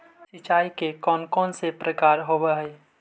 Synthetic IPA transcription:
sɪt͡ʃaːikekɔːnkɔːnsepɾəkaːɾɦobaɦe

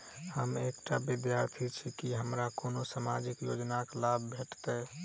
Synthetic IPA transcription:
həmekʈabid̪jaɾt̪ʰit͡ʃʰikiɦəmɾakonosamad͡ʒikjod͡ʒnaklabbʱeʈt̪e

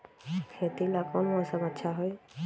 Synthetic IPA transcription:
kʰet̪ilakɔnmɔsamatːʃʰaɦɔj

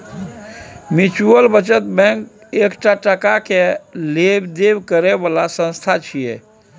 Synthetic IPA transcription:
mit͡ʃuəlbət͡ʃət̪bɛ̃k | ekʈaʈəkakelebd̪ebkəɾebalasə̃nst̪ʰat͡ʃʰijḛ

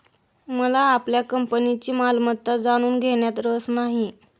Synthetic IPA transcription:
məlaːpljakəmpənit͡ɕiːmalmət̪ːəd͡zaɽ̃uːnɡʱeɳjat̪ɾəsnaɦi

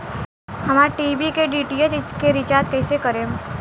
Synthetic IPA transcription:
hɐmaɾʈiːbikeɖiːʈiet͡ʃkeɾɪt͡ʃaːɾd͡ʒkəɪsekəɾẽ

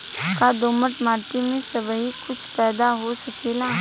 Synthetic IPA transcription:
kad̪oːməʈmaːʈimẽsɐbɦikʊt͡ʃʰpɛːd̪aɦosɐkeːla

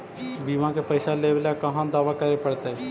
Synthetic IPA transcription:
biːmãkepɐɪsaleʋlakɐɦãd̪aːʋakɐɾepɐɽt̪eɦɛ

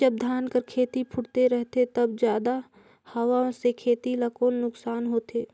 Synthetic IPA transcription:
d͡ʒəb̚d̪ʱaːnkəɾkʰeːt̪ipʰʊɽt̪eɾɛɦt̪et̪ɐbd͡ʒjaːd̪a | hɐwãsekʰeːt̪ilakoːnːʊksaːnɦoːt̪eː

